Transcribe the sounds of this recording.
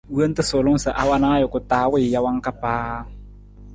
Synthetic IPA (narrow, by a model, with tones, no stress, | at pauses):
wə˦n˦t̪ɨ˦sʊ˨lʊ˦ŋ˦sə˨ʔa˦wa˦na˦a˦jʊ˨kʊ˨taː˨˦wɪ˦˨ja˦wa˦ŋ˦ka˦paː˦